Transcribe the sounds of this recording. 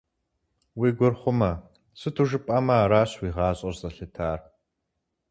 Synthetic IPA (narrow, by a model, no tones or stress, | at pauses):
wiːɡʷʊrχʷʊmɐ | sɨtʰuʒɨpʼɐmɐːɾaːɕwiːʁɑːɕʼɐrzʼɐɬɨtʰaːr